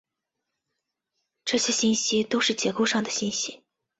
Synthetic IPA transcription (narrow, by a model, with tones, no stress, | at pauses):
ʈ͡ʂɤ˥˩ɕjɛ˥ɕi˥nɕi˥t̪o˥ʊʂɻ̩˥˩t͡ɕjɛ˧˥ko˥˧ʊʂɑ˥˩ŋd̪ə˩ɕi˥nɕi˥